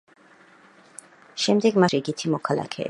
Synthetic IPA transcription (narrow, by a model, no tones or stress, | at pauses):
ʃɛmd̪ɛɡmaʃiɡit̪ʰimɔkʰalˠa̰kʰɛ̰ː